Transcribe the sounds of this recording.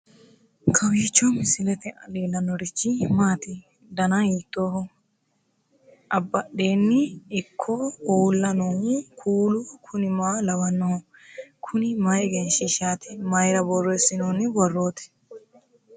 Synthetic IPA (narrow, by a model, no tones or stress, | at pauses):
kʰɐwiːt͡ʃːɔmɪsɪlɛt̪ɛʔɐ̰leːlːɐnɔɾɪt͡ʃːɪmaːt̪ɪ | d̪ɐnɐiːt̪ːoːhɔ | ʔɐbːɐɗe̞ːnːɪːkʰːɔuːlːɐnonkʰuːlʊkʰʊnɪmaːlɐwɐnːɔ | kʰʊnɪmɐjɡɛnʃɪʃaːt̪ɪmɐjɾɐbɔrːɔɪsɪnoːnɪbɔrːoːt̪ɛ̥